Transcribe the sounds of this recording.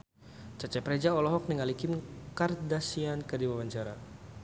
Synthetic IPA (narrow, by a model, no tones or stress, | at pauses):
t͡ʃat͡ʃɛpɾɛd͡ʒaɔlɔɦɔk̚niŋalikɪmkardasiankədiwawaɲt͡ʃaɾa